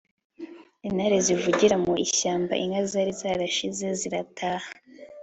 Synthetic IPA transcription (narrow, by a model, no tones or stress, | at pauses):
inaɾezivuɟiɾamuiɕaːmba̰ʔiŋɡazaɾizaːɾaʃize̞ziɾatʰaːha